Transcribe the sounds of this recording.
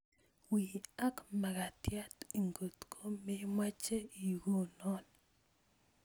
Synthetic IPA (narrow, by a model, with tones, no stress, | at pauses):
wi˨a˦kma˨ɡa˨t̪ja˦t̪i˨ŋɡo˨t̪kʰo˦me˦mwa˦t͡ʃe˦i˨ɡo˦nɔ˦n